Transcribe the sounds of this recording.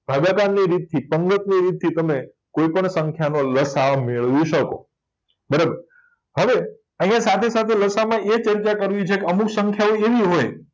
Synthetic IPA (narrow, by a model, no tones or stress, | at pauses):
bʱaɡakanːiɾit̪̚ʰːipəŋɡət̪̚niɾit̪̚ʰːit̪əme | koipəɳsəŋkʰjanoləsameɭʋiʃəko̰ | bəɾabəɾ | ɦəʋe | əɦĩjãsat̪ʰesat̪ʰeləsamãʔet͡ʃəɾt͡ʃakəɾʋjit͡ʃʰekeəmuksəŋkʰjaoeʋiɦoj